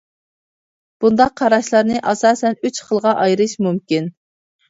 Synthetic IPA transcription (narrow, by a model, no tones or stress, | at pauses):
b̥und̪ɑqʰːɑɾɑʃlˠɑɾnɨʔɑsɑːsɛnyt͡ʃχəlˠʁɑʔɑjɾɨʃmumkʲin